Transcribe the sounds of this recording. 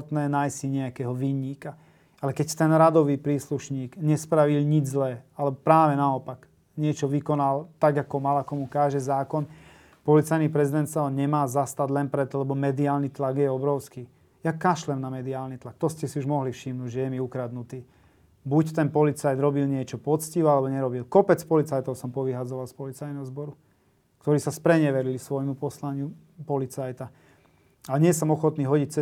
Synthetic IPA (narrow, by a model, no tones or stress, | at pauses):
t̪nɛːnajsiɲɛakɛɦɔʋiɲiːka | alɛkɛct̪ɛnɾad̪ɔʋiːpɾiːsluʃɲiːɡɲɛspɾaʋilɲid͡ʒzlɛːalɛbɔpɾaːʋɛnaɔpak | ɲɪɛt͡ʃɔʋikɔnalt̪aɡakɔmalakɔmukaːʒɛzaːkɔn | pɔlit͡sajnipɾɛzid̪ɛnt̪saɦɔɲɛmaːzast̪aɟ̪lɛnpɾɛt̪ɔlɛbɔmɛd̪iaːlnit̪laɡjɛɔbɾɔʊskiː | jakaʃlɛmnamɛd̪iaːlnit̪lak̚t̪ɔscɛsiuʒmɔɦlifʃimnuːɟʒɛjɛmiukɾad̪nut̪iː | buct̪ɛnpɔlit͡sajd̪ɾɔbilɲɪɛt͡ʃɔpɔt͡sciʋalɛbɔɲɛɾɔbilkɔpɛt͡spɔlit͡sajt̪ɔʊsɔmpɔʋiɦad͡zɔʋalspɔlit͡sajnɛɦɔzbɔɾu | kt̪ɔɾiːsaspɾɛɲɛʋɛɾilisʋɔjmupɔslaɲɪu | pɔlit͡sajt̪a | aɲɪɛs̬ɔmɔxɔt̪niːɦɔɟic̚t͡sɛ